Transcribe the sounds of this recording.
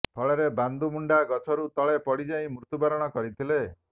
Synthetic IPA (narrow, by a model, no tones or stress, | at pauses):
pʰɔɭeɾeband̪umuɳɖaɡɔt͡ʃʰɔɾut̪ɔɭepɔɽid͡ʒaĩmuɾt̪ubaɾɔɽ̃ɔkɔɾit̪ʰile